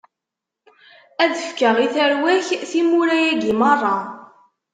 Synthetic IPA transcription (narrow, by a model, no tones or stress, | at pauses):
æðəfkəʁiθəɾwæçθimuɾæjæɡimɑrˤːɑ